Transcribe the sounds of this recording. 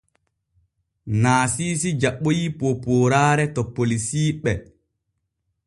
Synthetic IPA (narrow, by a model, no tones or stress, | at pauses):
naːsiːsid͡ʒaɓːojipopoːɾaːɾɛtɔpːolisiːɓɛ